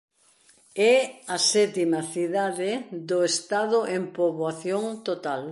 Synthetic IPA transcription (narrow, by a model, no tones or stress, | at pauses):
ɛɐsɛt̪imɐθiðaðɪðoest̪aðʊʔempoβoaθjoŋt̪ot̪al